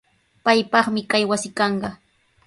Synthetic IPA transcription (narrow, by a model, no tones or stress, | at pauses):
pajpɑχmɪkajwasɪkɑɴɢɑ